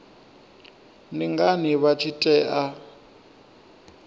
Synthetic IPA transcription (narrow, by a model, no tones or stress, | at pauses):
niŋɡaniβat͡ʃʰitʼɛːʔa